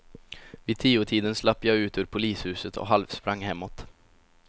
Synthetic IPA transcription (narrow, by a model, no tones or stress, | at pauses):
viːd̪̚t̪ʰiːʊʈʰiːd̪ənslapːjɑʉ̟ːt̪ʰøːɾpʰʊliːshʉːsət̪ʰɔ̰ɦalʋspɾaŋːhɛmːɔt̪